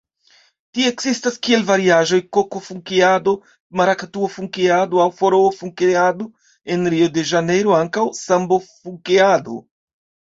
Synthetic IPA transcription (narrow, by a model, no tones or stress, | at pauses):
tieekz̥istaskie̞lvaɾiaʒo̞jkokofuŋkiado̞ | maɾakatuofuŋkiadoawfoɾoofuŋkiado | e̞nɾio̞de̞ʒanejɾo̞aŋkawsambofuŋkiado̞̰